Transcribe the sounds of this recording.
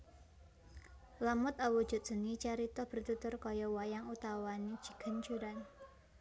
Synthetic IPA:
lamʊt̪awud̥ʒ̥ʊ̤t̪̚ʒ̥ə̤nit͡ʃaɾit̪ɔhb̥ə̤rt̪ut̪ʊrkɔjɔwajaŋut̪awani̥ʒ̥i̤̥ɡ̥ə̤nt͡ʃuɾan

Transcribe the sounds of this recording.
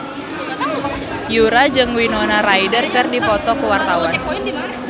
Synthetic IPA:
juɾad͡ʒɨŋwinɔnaɾaidərkərdipɔt̪ɔkəwart̪awan

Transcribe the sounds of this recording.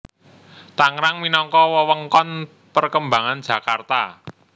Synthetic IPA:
t̪aŋɾaŋminɔŋkɔwəwəŋkɔn | pərkəmbaŋan̥d͡ʒ̥ä̤kart̪a

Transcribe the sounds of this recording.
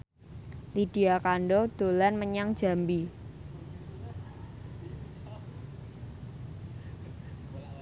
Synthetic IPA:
lid̥i̤akanɖod̪̥o̤lanməɲaŋd̥ʒ̥a̤mbi

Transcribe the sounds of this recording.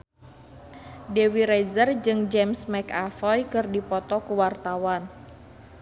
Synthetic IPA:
dewiɾɛzərd͡ʒɨŋd͡ʒɛmsmɛkafɔjkɨrdipɔt̪ɔkuwart̪awan

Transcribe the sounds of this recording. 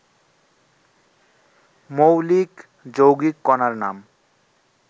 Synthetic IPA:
mowlik | d͡ʑowɡikːɔnaɾna̰m

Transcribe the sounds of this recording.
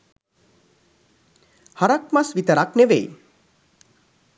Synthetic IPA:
haɾak̚masʋit̪əɾakneʋḛj

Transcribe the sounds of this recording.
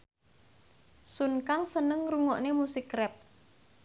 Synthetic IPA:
sunkaŋsənəŋruŋɔʔnemusɪkrɛp̚

